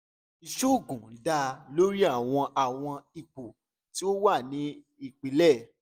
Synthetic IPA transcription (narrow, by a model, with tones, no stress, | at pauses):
i˨ʃo˦˨ɡũ˨˦da˧lo˦ɾi˦a˦˨w̃ɔ̃˧ʔa˨w̃ɔ̃˧i˨k͡po˨ | ti˦o˦wa˦˨nĩ˨˦ | i˦˨k͡pi˨˦lɛ˦˨